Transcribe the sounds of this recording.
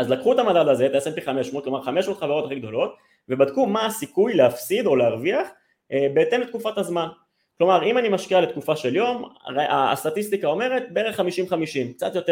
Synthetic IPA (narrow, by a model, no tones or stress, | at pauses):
azlakχuet̪amadadaze̞t̪ejasempiχameʃmot̪klo̞maʁχameʃmot̪χaveʁo̞t̪aχiɡd̪o̞lo̞t̪ | ve̞bad̪kumaːsikujleafsid̪o̞leaʁviaχ | ebeːt̪emlet̪̚kufatazman | klo̞maʁimanimaʃkialet̪kufaʃe̞ljo̞maa̰st̪at̪ist̪ikao̞me̞ʁe̞t̚beeʁeχːamiʃimχamiʃimk̚t͡sat̪jo̞t̪e